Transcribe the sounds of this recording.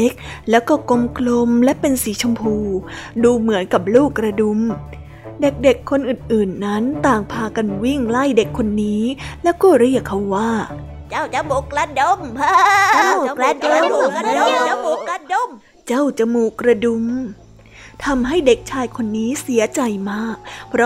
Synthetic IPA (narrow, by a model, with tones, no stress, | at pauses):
e˦˥k̚lɛː˦˥wkɔː˥˩ko˧mkʰlo˧mlɛ˦˥ʔpe˧nsiː˩˦t͡ɕʰa˧mpʰuː˧duː˧mɯ˩˦ənka˨˩p̚luː˥˩kːɾa˧du˧m | de˨˩k̚de˨˩kʰːo˧nʔɯː˨˩nʔɯː˨˩nːa˦˥nt̪aː˨˩ŋpʰaː˧ka˧nwi˥˩ŋla˥˩jde˨˩kʰːo˧nːiː˦˥lɛ˦˥wkɔː˥˩ɾi˥˩əkʰːa˧˩wːaː˥˩ | t͡ɕa˥˩a˨˧ka˧o˧˥m | a˧˥˧ | t͡ɕa˥˩wt͡ɕa˨˩muː˨˩kɾa˧du˧˥m | t̪ʰa˧mɦa˥˩jde˨˩k̚t͡ɕʰaː˧jkʰo˧nːiː˦˥si˨˩˦ɐt͡ɕa˧jmaː˥˩k̚pʰɾɔ˦